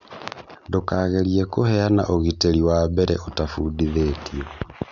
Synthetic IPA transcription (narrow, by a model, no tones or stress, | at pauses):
ndokaːɣeliɛkohɛana̰ʔoɣiteliwabɛɾɛotafudiðetiɔ